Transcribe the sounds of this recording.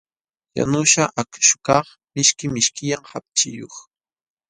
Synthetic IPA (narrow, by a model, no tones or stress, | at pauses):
ja̰nʊʃaʔakʃʊ̥kɑχ | mɪʃkɪmɪʃkɪjamhap̚t͡ʃɪjoχ